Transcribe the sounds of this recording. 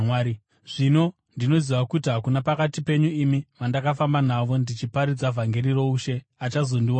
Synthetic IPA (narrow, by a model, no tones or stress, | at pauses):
waːɾi | ʐ̥ino̞ | ndino̞ziʋakutiɦakunapakatipe̞ɲuimiʋandakafamban̤aʋo̞ndit͡ʃipaɾid͡zavʱaŋɡe̞ɾiro̞uʃe̞ | at͡ʃazo̞ndiwa